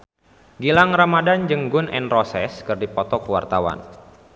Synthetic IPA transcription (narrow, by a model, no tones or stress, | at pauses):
ɡilaŋramadand͡ʒəŋɡʊnʔɛnrɔsɛskɨrdipɔt̪ɔkəwa̰rt̪awa̰n